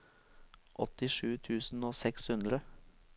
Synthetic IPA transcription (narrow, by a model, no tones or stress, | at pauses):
ʔɔt̪ɪʂʉːt̪ʰʉːsn̩oːsɛkshʉnd̪ɾə